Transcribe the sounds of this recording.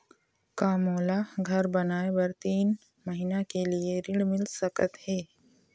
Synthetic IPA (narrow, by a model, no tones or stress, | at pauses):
kaːmoːlaɡʱɐɾbɐnaːebɐɾt̪iːn | mɐɦinakelieɾɪɽmɪlsəkət̪heː